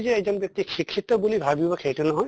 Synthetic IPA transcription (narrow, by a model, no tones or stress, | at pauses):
zɛɛzɔnbjɔk̚t̪iʃikʰːit̪ːɔbulibʱabibɔkʰejtunɔɦɔj